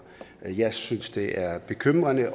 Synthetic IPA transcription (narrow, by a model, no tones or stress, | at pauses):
jɑ̈ɪsynsd̥e̝ʔæɐb̥e̝kʰøm̰ʁɐnəʔ